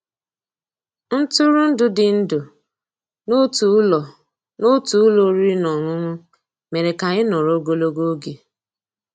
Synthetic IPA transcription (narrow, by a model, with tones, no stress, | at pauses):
n̩˦tu˦ɾu˦n̩˦dʊ˨dɪ˨n̩˦dʊ˨ | no˦tu˨˦lɔ˨ | no˦tu˨˦lo˨˦ɾi˦nɔ˨ŋʷʊ˦ŋʷʊ˦ | me˨ɾe˨ka˨ɣɪ˦nɔ˨ɾo˦ɡo˦lo˦ɡo˦ɡe˨